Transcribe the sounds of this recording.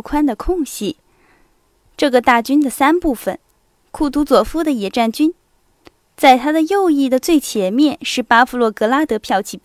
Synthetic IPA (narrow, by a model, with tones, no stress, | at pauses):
kʰwa˥nd̪ə˨kʰʊ˥˧ŋɕi˥˩ | ʈ͡ʂɤ˥˩ɡə˩t̪a˥˩t͡ɕy˥nd̪ə˨sa˥npu˥˩fə˨˩n | kʰu˥˩t̪u˧˥t͡swɔ˨˩fu˥d̪ə˨jɛ˨˩ʈ͡ʂa˥˩nt͡ɕy˥n | t͡sa˥˩ɪt̪ʰa˥d̪ə˨jo˥˧ʊi˥˩d̪ə˩t͡swe˥˩ɪt͡ɕʰjɛ˨˧˥mjɛ˥˧nʂɻ̩˥˩pa˥fu˧˥lwɔ˥˩kɤ˧˥la˥t̪ɤ˧˥pʰjɑ˥˧ʊt͡ɕʰi˧˥˩